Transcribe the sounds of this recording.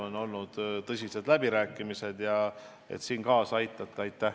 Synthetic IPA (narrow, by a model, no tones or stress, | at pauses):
o̞no̞lnud̪̥t̪ɤs̬ʲise̞d̪læbiɾæːkːˑimise̞d̪̥jɑ | ḛt̪siːnkɑːsɑjt̪ˑːɑt̪ːˑɑɑjt̪ːæh